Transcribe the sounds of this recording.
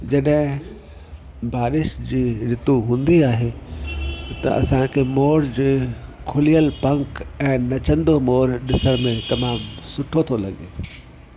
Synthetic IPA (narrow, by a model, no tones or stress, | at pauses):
d͡ʑɐɗɦɪ̃ | baːɾɪʃd͡ʑiːɾɪt̪uɦũːnd̪iaːɦe | t̪ɐ̰ʔɐ̰sãkʰeːmoːɾd͡ʑeːkʰʊlijəlpɐ̃ŋkɛ̃ːnɐt͡ɕə̃nd̪omoːɾɗɪsəɽ̃mẽt̪ɐmaːmsʊʈʰot̪ʰolɐɠḛː